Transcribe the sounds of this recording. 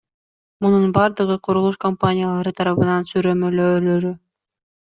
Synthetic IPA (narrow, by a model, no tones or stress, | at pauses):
mununbɑɾd̪ɯʁɯqʰoɾulˠuʃkompanʲijalˠɑɾɯt̪ʰɑɾɑβɯnɑnsyɾø̞mø̞løːlø̞ɾy